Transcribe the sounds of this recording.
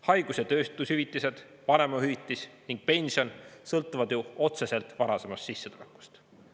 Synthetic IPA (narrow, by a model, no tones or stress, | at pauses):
hɑjɡ̥usjet̪ø̞ːst̪ushyvit̪ːˑise̞d̪̥ | pɑne̞mɑhyit̪ˑːisniŋɡ̥̚pe̞nʲsio̞nsɤlt̪ːˑuvɑd̪̥juo̞t̪se̞se̞lt̪ˑvɑɾɑse̞mɑst̪sisːet̪ule̞kːˑu̥st̪